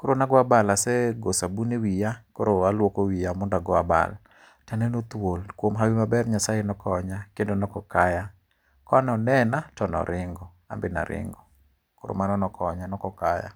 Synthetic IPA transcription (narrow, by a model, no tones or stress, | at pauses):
koɾonaɡɔabalasɛɡosabunewijakoɾoalwokowijamɔndaɡɔaba̰l | tanɛnot̪wolkwomɦawimabɛrɲasajenɔkɔɲakendonɔkɔkaja | kɔanɔnɛnatɔnɔ̰ɾɪŋɡɔ | a̰mbɪna̰ɾɪ̰ŋɡɔ | koɾo̰manɔnɔkʰɔɲanɔkɔkaja̰